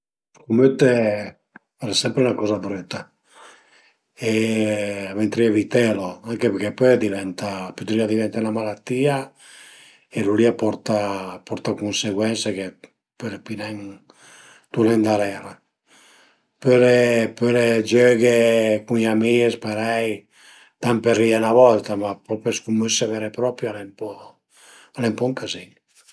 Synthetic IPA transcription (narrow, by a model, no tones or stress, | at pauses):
kumøt̪e | ɛɾsɛmpɾeunakɔzabɾøt̪a | e | avent̪ɾiavit̪ɛloaŋkepeɾkɛpød̪ivɛnt̪apøt̪ɾiad̪ivɛnt̪anlamalat̪ːia | eluliapɔɾt̪apɔɾt̪akunseɡwɛnseke | pøɾepinɛŋ | t̪ulend̪aɾɛɾa | pøɾepøɾed͡ʒøɡekuŋamiespaɾɛj | t̪amperianaβɔlt̪amapɔpeskumøsevɛɾepɾɔpɾjalɛmpɔ | alɛmpɔŋkaziɲ